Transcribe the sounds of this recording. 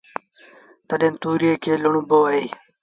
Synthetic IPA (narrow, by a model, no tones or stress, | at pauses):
t̪əɗẽːnt̪uːɾijeːkʰeːlʊɳũboːaiː